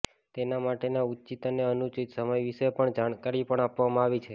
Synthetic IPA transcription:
t̪enamaʈenaut͡ʃit̪əneənut͡ʃit̪səməjʋiʃepəɳd͡ʒaɳkaɾipəɳapʋamãaʋit͡ʃʰe

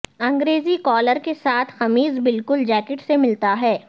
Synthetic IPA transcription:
ɐ̃ŋɡɾeːzikɔːləɾkesaːt̪ʰxɐmiːzbɪlkʊld͡ʒɛːkɪʈsemɪlt̪aɦɛː

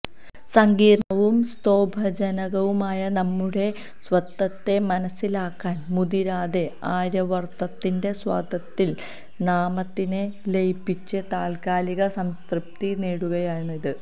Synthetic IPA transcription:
sɐŋɡiːrɳɐʋumst̪o̞ːbʱɐd͡ʑɐnɐɣɐʋumaːjɐnɐmːuɽe̞ | sʋɐt̪ːɐt̪ːe̞mɐnɐsːilaːkːaːnmud̪iɾaːðe̞aːɾɐʋɐrt̪ɐt̪ːinde̞swa̰ːd̪ʱɐt̪ːil | naːmɐt̪ːinelejpːit͡ɕːɨt̪aːlkaːliɣɐsɐmskrɨp̚t̪ineːɽuɣɐjaːɳiðɨ

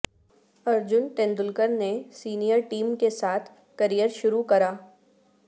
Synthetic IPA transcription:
ɐɾd͡ʒʊnʈɛ̃nd̪ʊlkəɾnesiːnijəɾʈiːmkesaːt̪ʰ | kɐɾijəɾʃʊɾukɐɾaː

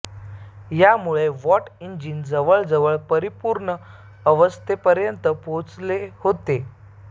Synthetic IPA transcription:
jamuɭeʋɔʈiɲd͡ʑind͡zəʋəɭd͡zəʋəɭpəɾipuɾɳəː | ʋəst̪ʰepəɾjənt̪əpot͡slehot̪e

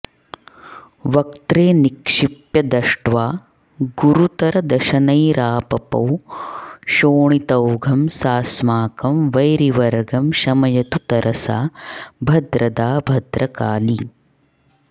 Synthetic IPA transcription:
ʋɐkt̪ɾeːnikʂipjɐd̪ɐʂʈʋaː | ɡuɾut̪ɐɾɐd̪ɐʃɐnɐjɾaːpɐpɐ̰w | ʃoːɳit̪ɐwɡʱɐmsaːsmaːkɐmʋɐjɾiʋɐɾɡɐmʃɐmɐjɐt̪ut̪ɐɾʔɐsa̰ːbʱɐd̪ɾʔɐd̪aːbʱɐd̪ɾɐkaːli

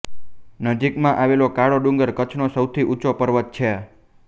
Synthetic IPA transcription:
nəd͡ʒikmãʔaʋelokaɭoɖũŋɡəɾkət͡ʃʰnosəwt̪ʰiʔut͡ʃopəɾʋət̪̚t͡ʃʰe

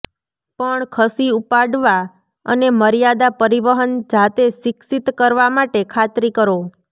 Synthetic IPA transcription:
pəɳkʰəsiupaɖʋa | ə̰neməɾijad̪apəɾiʋəɦənd͡ʒat̪eʃɪksit̪kəɾʋamaʈekʰat̪ɾikəɾo

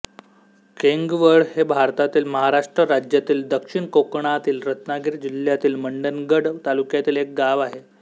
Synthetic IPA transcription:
keŋɡʋəɭhebʱaɾt̪at̪iːlməɦaɾaʂʈɾəɾad͡ʑjat̪iːld̪əkʂiɳkokɳat̪iːlɾət̪naɡiɾd͡ʑil̤jat̪iːlməɳɖənɡəɽt̪alukjat̪iːlek̚ɡaʋaɦe

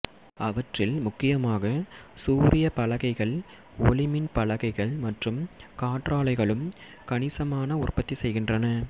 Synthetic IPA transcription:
ɐʋɐʈrɪlmʊkːɪjɐmaːɣɐsuːɾɪjɐpɐɭɐɣɐɪɣɐɭ | ɔ̰lɪmɪnpɐɭɐɣɐɪɣɐɭmɐʈrɯmkaːʈraːlɐɪɣɐɭɯm | kɐnɪsɐmaːnɐʊrpɐt̪ːisɛjɣɪndrɐnɐ

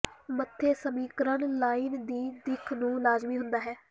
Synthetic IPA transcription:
mət̪ʰːeːsəmiːkɾənlaːiːnd̪iːd̪ɪkʰnũːlaːzmiːɦʊnd̪aːɦɛː

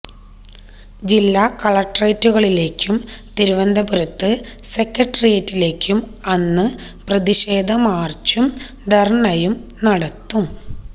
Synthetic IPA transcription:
d͡ʑilːaːkɐɭɐʈːrɐjtːuɣɐɭile̞ːkʲːumt̪iɾuʋɐnd̪ɐbuɾɐt̪ːɨse̞kːɐʈːɐrijɐtːile̞ːkʲːum | ɐnːɨprɐðiɕe̞ːd̪ʱɐmaːrt͡ɕːum | d̪ʱɐrɳɐjumnɐɽɐt̪ːum

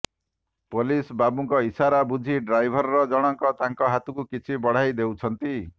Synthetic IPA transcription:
polisbabuŋkɔisaɾabud͡ʒʱiɖɾajbʱɔɾɔɾɔd͡ʒɔɽ̃ɔŋkɔt̪aŋkɔɦat̪ukukit͡ʃʰibɔɽ̤ajd̪ewt͡ʃʰɔnt̪i

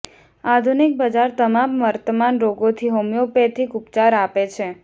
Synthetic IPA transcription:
ad̪ʱunik̚bəd͡ʒaɾt̪əmamʋəɾt̪əmanɾoɡot̪ʰiɦomjopet̪ʰikupt͡ʃaɾapet͡ʃʰe

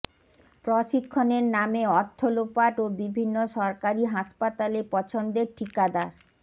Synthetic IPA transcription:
pɾoʃikʰːoneɾnameɔt̪ʰːolopaʈobibʱinːoʃɔɾkaɾiɦaʃpat̪alepɔt͡ɕʰond̪eɾʈʰikad̪aɾ

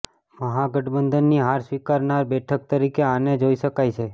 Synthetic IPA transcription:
məɦaɡəʈʰbənd̪ənːiɦaɾsʋikaɾnaɾbɛʈʰək̚t̪əɾikeaned͡ʒoiʃəkajt͡ʃʰe

